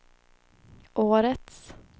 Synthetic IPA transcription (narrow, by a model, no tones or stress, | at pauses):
ʔoːɾət̪s